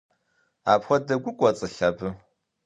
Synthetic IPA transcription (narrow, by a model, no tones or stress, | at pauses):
aːpxʷɔdɐɡʷʊkʷʼɔt͡sʼɨɬɐbɨ